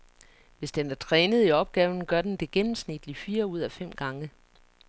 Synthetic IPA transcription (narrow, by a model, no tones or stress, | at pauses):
ʋe̝sd̥enæɐt͡sʰʁɛːnəð̞̩ˠiɒ̽b̥̚ɡ̥ɛːʊn̩ɡ̥ɶɐd̥end̥e̝ɡ̥enm̩snid̥lifiːɐuð̞̰ˠæfem̰ɡ̥ɑ̈ŋə